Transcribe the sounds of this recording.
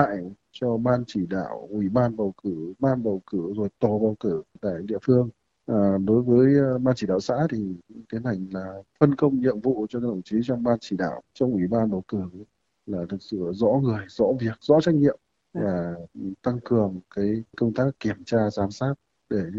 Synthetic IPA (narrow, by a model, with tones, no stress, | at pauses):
a̰ː˧˨j | t͡ɕɔ˧ɓaː˧nt͡ɕi˧˩ɗa̰ː˧˨wʔwi˧˩ɓaː˧nɓə˨˩wkɨ˧˩ɓaː˧nɓə˨˩wkɨ˧˩zo˨˩jt̪o˨˩ɓaː˧˩wkɨ˧˩ɗa̰ː˧˨jɗḭ˧˨əfɨ˧əŋ | ʔaː˨˩ɗo˨˦jvəː˨˦jɓaː˧nt͡ɕi˧˩ɗa̰ː˧˨wsa̰ː˧˥t̪ʰi˨˩˧t̪ʰi˨˦na˨˩jŋ̟laː˨˩fə˧nkə˧wŋ͡mɲḭ˧˨əmvṵ˧˨t͡ɕɔ˧kːt̪ə˧˨˩t͡ɕi˨˦t͡ɕɔ˧wŋ͡mɓaː˧nt͡ɕi˧˩ɗa̰ː˧˨wt͡ɕɔ˧wŋ͡mʔwi˧˩ɓaː˧nɓə˨˩wkɨ˧˩ | laː˨˩t̪ʰɨ˨˩k̚sɨ̰˧˨zɔ̰˧˥ŋɨ˨˩əjzɔ̰˧˥vi˨˩ək̚zɔ̰˧˥t͡ɕa˦˥k̟̚ɲḭ˧˨əm | vaː˨˩˨t̪a˧ŋkɨ˨˩əŋkaː˨˦jkə˧wŋ͡mt̪aː˦˥kːi˧˩əmt͡ɕaː˧zaː˨˦msaː˦˥t̚ | ɗe˧˩